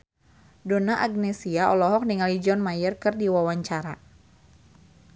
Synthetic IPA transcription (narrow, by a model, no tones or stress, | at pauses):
donaʔaɡ̚nesiaɔlɔɦɔk̚niŋalid͡ʒɔnmajərkɨrdiwawaɲt͡ʃaɾa